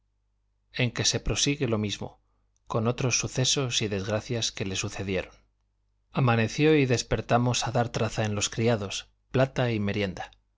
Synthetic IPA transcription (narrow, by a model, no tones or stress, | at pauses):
e̞ŋke̞se̞pɾo̞siɣe̞lo̞mizmo̞̰ | ko̞no̞t̪ɾo̞sːuθe̞so̞siðe̞zɣɾaθjaske̞le̞suθe̞ðje̞ɾon | amane̞θjo̞iðe̞spe̞ɾt̪amo̞saðaɾt̪ɾaθaẽ̞nlo̞skɾiaðo̞s | plat̪aime̞ɾje̞nd̪a